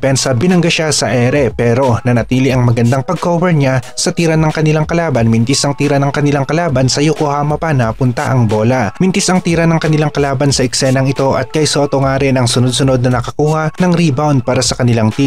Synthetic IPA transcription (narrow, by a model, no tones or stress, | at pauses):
pɛnsɐbɪnɐŋɡaʃasɐʔɛːɾɛpɛːɾo̞nɐnɐt̪iːlɪʔɐŋmɐɡɐnd̪aŋpɐɡ̚koːbɛɹɲasɐt̪iːɾɐanɐŋkɐnɪlaŋkɐlaːbɐnmɪnt̪ɪsɐŋt̪iːɾɐnɐŋkɐnɪlaŋkɐlaːbɐnsɐjokohaːmɐpɐnɐpʊnt̪ɐ̰ʔɐŋbo̞ːlɐmɪnt̪ɪsɐŋt̪iːɾɐnɐŋkɐnɪlaŋkɐlaːbɐnsɐʔɛksɛnɐŋɪt̪o̞ʔɐ̰t̪̚kɐjso̞ːt̪oŋaːɾɪnɐŋsʊnod̪̚sʊno̞d̪̚nɐnɐkɐkuːhɐnɐŋɾibawnd̪̚paːɾɐsɐkɐnɪlaŋt̪i